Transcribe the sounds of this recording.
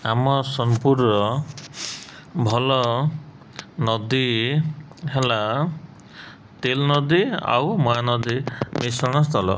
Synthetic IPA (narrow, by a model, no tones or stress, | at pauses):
amɔsɔmpuɾnɔ | bʱɔlɔ | nɔd̪i | ɦela | t̪elnɔd̪ia̰wmɔɦanɔd̪imisɔɽ̃ɔst̪ʰɔlɔ̰